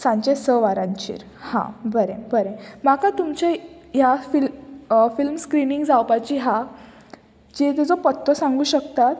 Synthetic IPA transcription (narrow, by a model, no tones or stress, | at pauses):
sãɲt͡ɕesəʋaɾãɲt͡ɕḭːɾ | hã̰bəɾebəɾemakat̪umt͡ɕejafilfilmskɾiniŋɡd͡zawpat͡ɕiːɦa | d͡ʑet̪ed͡zopət̪ːəsãŋɡuːɕəkt̪at̪